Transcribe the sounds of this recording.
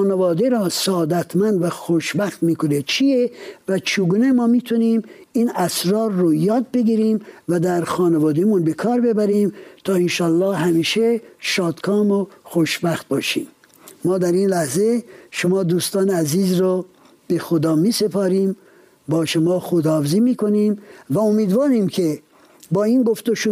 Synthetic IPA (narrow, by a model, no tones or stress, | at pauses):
xɑːnevɑːd̪eɾɔːsɑːd̪æt̪ʰmænd̪væxoʃbæxt̪miːkʰonet͡ʃʰievæt͡ʃʰeɡuːnemɒːmiːt̪ʰuniːm | iːnæsɾɑːɾːojɒːd̪̚beɡiːɾiːmvæd̪æɾxɑːnevɒːd̪emunbekʰɒːɾbe̞bæɾiːmt̪ʰɒːenʃɑːlːɑːhhæmiːʃeʃɒːd̪kʰɒːmoxoʃbæxt̪̚bɒːʃiːmː | ɒːd̪æɾiːnlæhze̞ʃomɒːd̪uːst̪ɑːneæziːzɾo | b̥e̞xod̪ɒːmiːse̞pʰɑːɾiːm | bɒːʃomɑːxod̪ɒːfeziːmiːkʰoniːmvæomiːd̪vɑːɾiːmkʰe | bɒːinɡo̞ft̪oʃu